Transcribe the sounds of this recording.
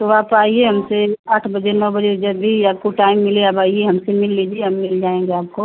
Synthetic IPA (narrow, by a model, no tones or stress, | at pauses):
t̪oaːpaːieɦɐmseaːʈʰbɐd͡ʒenɔbɐd͡ʒed͡ʒɐbʱijaːkoʈaːɪmːɪleabaːieɦɐmsemɪlːid͡ʒieɦɐmmɪld͡ʒaːẽŋɡeaːpko